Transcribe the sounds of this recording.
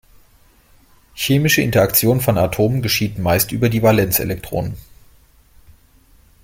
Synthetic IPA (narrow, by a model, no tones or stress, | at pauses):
çeːmɪʃəʔɪ̰ntɐakt͡sjoːnənfɔnatʰoːmənɡəʃiːtn̩maɪstʔyːbɐdiːvalɛnt͡sḛlɛk̚tʁ̥o̰ːnən